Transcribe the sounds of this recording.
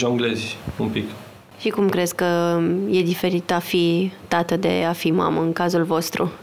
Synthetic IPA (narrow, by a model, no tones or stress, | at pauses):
ʒoŋɡlezʲumpik | ʃikumkɾe̞zkəje̞d̪ife̞ɾit̪afit̪at̪əd̪e̞̰afima̰məɨŋkazulvo̞st̪ɾṵ